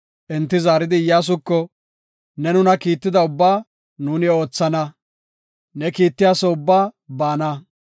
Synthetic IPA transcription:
ʔɛnt̪ːɪzaːɾɪd̪ɪjaːs̬ʊkːɔ | nɛnʊnɐkiːt̪ːɪd̪ɐʊbːaː | nuːnɪo̞ːt͡sːɐnɐ | nɛkiːt̪ːɪjaːsɔʊbːaːbaːnɐ

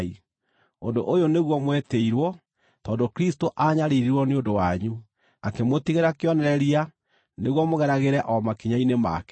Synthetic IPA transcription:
i | o̰ndo̰ʔojoneɣwɔmweteiɾwɔ | tɔːndokɾistoʔaɲaɾeɾiɾwɔneondowaɲu | akemotiɣeɾakeɔnɛɾɛɾia | neɣwɔmoɣɛɾaɣeɾɛʔɔmakiɲainema̰kɛ

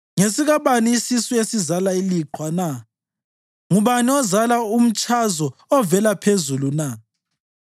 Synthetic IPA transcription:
ŋesiɣaβaniːsisɔesizalailiǃʰwana | ŋuβaniɔzalaum̩t͡ʃʼazɔɔvɛlapʰezuluna

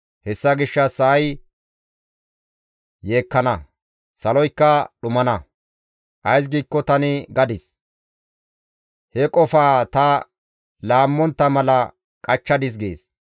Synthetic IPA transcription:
hɛsːɐɡɪʃːɐsɐʔɐj | je̞ːkːɐnɐ | sɐlɔjkːɐɗʊmɐnɐ | ʔɐjs̬ɡiːkːɔt̪ɐnɪɡɐd̪ɪs | hɛkʼɔfaːt̪ɐ | laːmːɔnt̪ːɐmɐlɐ | kʼɐt͡ʃːɐd̪ɪs̬ɡḛːs

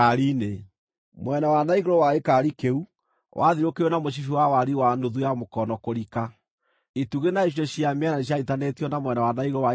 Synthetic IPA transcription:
aɾine | mwɛnawanaiɣoɾɔwaekaɾikeu | wʔaðiɾokeonamoɕ̬ifiwawaɾiwandoðujamokɔnɔkoɾika | ituɣenaiɕ̬jɔɕiameɛnaiɕ̬aitanetiɔnamwɛnawanaiɣɔwa

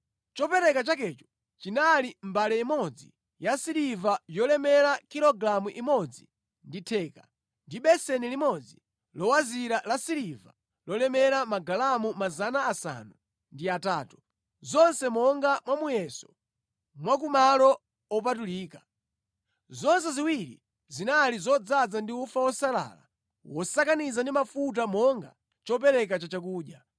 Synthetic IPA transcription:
t͡ʃɔpɛɾɛkat͡ʃakɛt͡ʃɔ̥ | t͡ʃinalim̩balɛimɔd͡zi | jasiɾivajɔlɛmɛɾakiɾɔɡlamuʔimɔd͡zi | nditʰɛːka | ndiɓɛsɛnilimɔd͡zi | lɔwaziɾalasiɾiva̰ | lɔlɛmɛɾamaɡalamumazanaːsa̰nu | ndiataːtu | zɔnsɛmɔŋɡamwamujɛsɔ̥ | mwak̬umalɔ | ɔp̬atuliːka | zɔns̬ɛziwiɾḭ | zinalizɔd͡zad͡zandiufawɔsala̰la̰ | wɔsakanizandimafut̬amɔŋɡa̰ | t͡ʃɔpɛɾɛk̬at͡ʃat͡ʃak̬uːɗja

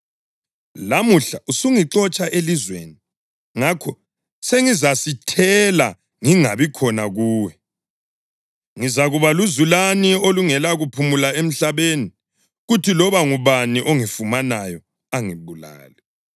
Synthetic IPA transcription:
lamuɬaʔusuŋiǁɔt͡ʃʼaʔelizwḛni | ŋakʰɔ | seŋizasitʰɛla̰ | ŋiŋa̰βikʰɔnaɣuːwɛ | ŋizaɣuβaluzulanioluŋɛlaɣupʰumulaem̩ɬaβeni | ɣutʰilɔβaŋuβaniʔoŋifumanajɔ | aŋiβula̰ːlɛ

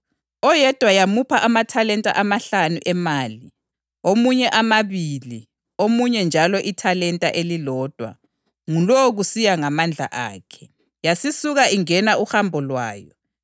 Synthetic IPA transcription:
ɔjɛd̥ʱwajamupʰaʔamatʰalɛntʼa̰ʔamaɬanuʔɛmaːli | omuɲɛʔamaβili | omuɲɛnd͡ʒʱalɔʔitʰalɛntʼaʔelilɔːd̥ʱwa̰ | ŋulɔɣusijaŋamand͡ɮʱa̰ʔa̰ːkʰɛ̥ | jasisuɣaʔiŋɛnauhambʱɔlwaːjɔ̰

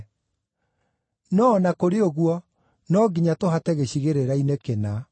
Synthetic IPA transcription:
nɔːnakoɾeoɣwɔ | nɔɡiɲatoɦatɛɣeɕiɣeɾeɾainekena

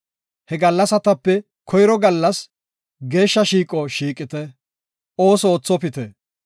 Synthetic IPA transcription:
hɛɡɐlːɐsɐt̪ɐpːɛ | kʰɔjɪɾɔɡɐlːɐs | ɡe̞ːʃːɐʃiːkʼɔʃiːkʼɪt̪ɛ | ʔo̞ːsɔoːt͡sːɔpɪt̪ɛ

